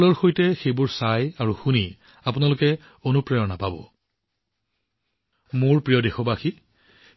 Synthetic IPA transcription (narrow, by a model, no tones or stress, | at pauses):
lɔɹxojtɛxejbʊɹsajaɹuxuni | apʊnalʊkɛ | onupɹɛjɔnapabɔ̰ | mʊɹpɹijɔdexɔbaxi